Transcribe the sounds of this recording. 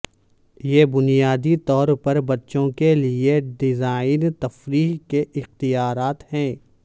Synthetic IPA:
jeːbʊnijaːd̪it̪ɔːɾpɐɾbɐtːʃõkelieɖɪzaːɪnt̪ɐfɾiːɦkeʔɪxt̪ijaːɾaːt̪hɛ̃ː

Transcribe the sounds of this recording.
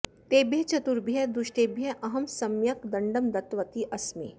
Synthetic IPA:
t̪eːbjɐt͡ʃɐt̪uɾbʱijɐd̪uʃʈ̪eːbʱjɐʔɐɦɐmsɐmjɐkd̪ɐɳɖəmd̪ɐt̪ʋɐt̪iʔɐsmḭː

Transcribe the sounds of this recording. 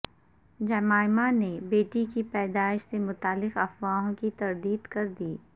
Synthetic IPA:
d͡ʒɐmaːɪmanebeːʈikipɛːd̪aːɪʃsemʊt̪aːlːɪqɐfwaːɦõkit̪ɐɾd̪iːd̪kɐɾd̪iː

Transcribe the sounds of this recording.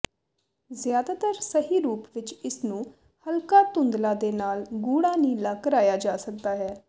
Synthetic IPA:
zjaːd̪aːt̪əɾsəɦiːɾuːpʋɪt͡ʃɪsnũː | həlkaːt̪ʊnd̪laːd̪eːnaːlɡuːɽ̃aːniːlaːkəɾaːjaːd͡ʒaːsək̚d̪aːɦɛː

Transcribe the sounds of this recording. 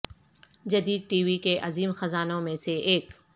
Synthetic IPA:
d͡ʒɐd̪iːd̪̚ʈiːʋikeʔɐziːmxɐzaːnõmẽseeːk

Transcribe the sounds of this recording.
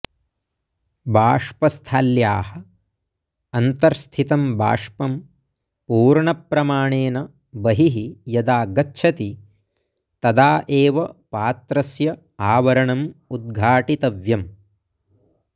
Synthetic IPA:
bʱaːʂpɐst̪ʰaːljaːhɐ | ɐnt̪ɐɾst̪ʰit̪ɐmbʱa̰ːʂpɐm | puːɾɳɐpɾɐmaːɳeːnɐ | bɐɦiɦijɐd̪aːɡɐtːʃʰɐt̪i | t̪ɐd̪aːʔeːʋɐpaːt̪ɾɐsjɐ | aːʋɐɾɐɳɐmud̪̚ɡʱaːʈit̪ɐʋjɐm

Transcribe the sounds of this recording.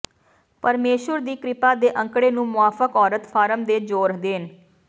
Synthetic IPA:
pəɾmeːʃəɾd̪iːkɾɪpaːd̪eːʔə̃ŋkɽeːnũːmʊaːfəkɔːɾət̪pʰaːɾəmd̪eːd͡ʒoːɾd̪eːn

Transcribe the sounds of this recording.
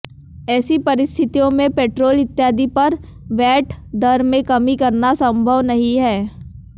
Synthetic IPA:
ɛːsipɐɾɪst̪ʰɪt̪ijõmẽpeːʈɾoːlɪt̪ːjaːd̪ipɐɾ | ʋɛːʈʰd̪ɐɾmẽkɐmikɐɾnasɐ̃mbʱəʋnɐɦĩɦɛː

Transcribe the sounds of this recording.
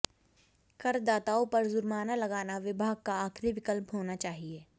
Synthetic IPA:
kɐɾd̪aːt̪aːõpɐɾzʊɾmaːnalɐɡaːnaʋɪbʱaːɡ̚kaaːkʰɾiʋɪkəlpɦoːnat͡ʃaːɦieː

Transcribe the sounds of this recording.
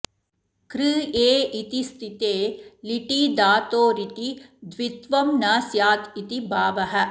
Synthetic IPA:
kɾɨːeːit̪ist̪ʰit̪eːliʈiːd̪aːt̪oːɾit̪id̪ʋit̪ʋɐmnaːsjaːt̪it̪ibʱaːʋɐɦɐ̆

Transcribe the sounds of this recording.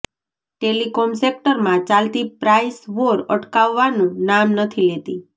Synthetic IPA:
ʈelikomsek̚ʈəɾmãt͡ʃalt̪ipɾaisʋoɾə̰ʈkaʋːanũnamnət̪ʰilet̪i

